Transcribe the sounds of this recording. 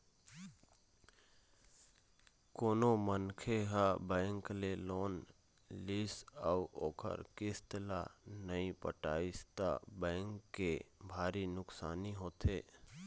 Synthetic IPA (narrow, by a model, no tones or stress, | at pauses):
koːnomənkʰeɦabɛ̃ːŋkleloːn | liːsəuoːkʰə̰ɾkɪst̪əlanəĩpə̰ʈa̰ːɪst̪a̰bɛ̃ːŋkːebʱaːɾinʊksaːniɦoːt̪ʰeː